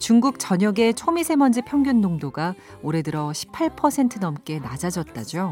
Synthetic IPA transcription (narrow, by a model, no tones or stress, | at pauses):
t͡ɕuŋɡuk̚t͡ɕʌɲʌɡe̞t͡ɕʰomisʰe̞mʌnd͡ʑipʰjʌŋɡjonːoŋdoɡa | oɾe̞dɯɾʌɕʰi̥pʰːaɭpʰʌsʰe̞ntʰɯnʌmk͈e̞nad͡ʑad͡ʑʌt̚t͈ad͡ʑo